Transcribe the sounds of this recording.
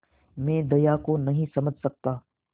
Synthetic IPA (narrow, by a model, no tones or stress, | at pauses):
mẽːd̪ɐjaːkonɐɦĩsɐməd͡ʒʱsɐk̚t̪aː